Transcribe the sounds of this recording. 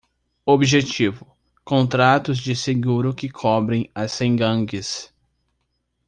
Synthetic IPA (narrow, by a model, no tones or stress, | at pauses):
obʒet͡ʃivʊ | kõnt̪ɾat̪ʊzd͡ʒɪseɡuɾʊkɪkʰɔbɾẽj̃ɐsẽɡɐ̃ɡɪs